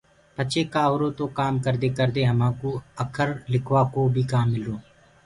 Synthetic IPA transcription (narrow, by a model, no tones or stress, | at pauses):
pɐt͡ʃekaːɦoɾõt̪okaːmkəɾd̪ekəɾd̪eɦɐmãːkoɐkʰəɾlɪkʰwaːkobʱikaːmːɪloː